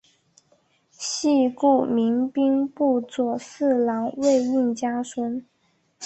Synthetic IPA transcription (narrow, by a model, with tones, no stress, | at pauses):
ɕi˥˧ku˥˩mi˧˥ŋpi˥ŋpu˥˩t͡swɔ˨˩sɹ̩˥˩lɑ˧˥ŋwe˥˧ɪi˥˩ŋt͡ɕja˥sʰə˥n